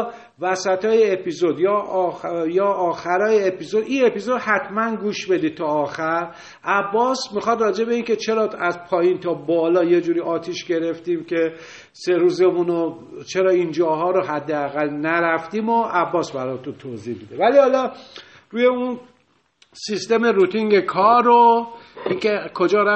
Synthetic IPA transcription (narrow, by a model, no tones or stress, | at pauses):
væsæt̪ʰɒːjeepʰizo̞d̪jɒ | jɒːʔɒːxæɾɒːjeepiːzo̞d̪ine̞pizo̞d̪hæt̪ʰmænɡuːʃbe̞d̪iːd̪̚t̪ʰɒːxæɾ | ʔæbːɒːsmixɒd̪rɒːd͡ʒe̞be̞iːncʰe̞t͡ʃʰe̞ɾɒːæzpʰɒːjint̪ʰɒːbɒːlɒːje̞d͡ʒuːɾiːʔɒːt̪ʰiːʃɟe̞ɾe̞ft̪iːmcʰe̞ | se̞ɾuːze̞muno | t͡ʃʰe̞ɾɒːind͡ʒɒːɦɒːɾoɦæd̪ːeæɣælnæɾæft̪imoʔæbːɒːsbæɾɒːjt̪unt̪ʰoːzihbid̪evælihɒlɒ | ɾuːje̞un | sist̪e̞me̞ɾut̪ʰiŋɟekʰɒːɾoinkekʰo̞d͡ʒɒːɾæ